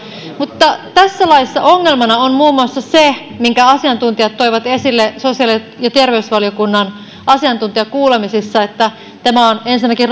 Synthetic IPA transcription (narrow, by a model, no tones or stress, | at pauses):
mut̪ːɑt̪æsːælɑisːɑ̰ʔoŋːelmɑnɑonmuːmːuɑsːɑsemiŋkæɑsiɑnt̪unt̪iɑt̪ːoiʋɑt̪esilːesosiɑli | jɑt̪erʋeysʋɑljokunːɑn | ʔɑsiɑnt̪unt̪iɑkuːlemisisːɑet̪ːæ | t̪æmæonensinːækirr